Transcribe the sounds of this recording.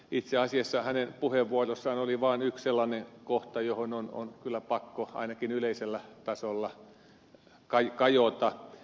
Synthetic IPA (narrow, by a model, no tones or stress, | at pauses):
it̪seɑsiɑsːɑhænenpuheʋʋuorosːɑːnoliʋɑːnyksselːɑnekoht̪ɑjohonono̰nkylːˑæpɑkːoɑ̰inɑkinyleiselːæt̪ɑsolːɑ | kɑjkɑjot̪ɑ